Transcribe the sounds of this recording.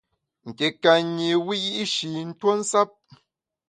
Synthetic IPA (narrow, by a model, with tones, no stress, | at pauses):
ŋ̩˨ke˨ka˨ɲi˨wi˦ji˦ʔʃi˨n̩˦two˦n̩˦sa˦p̚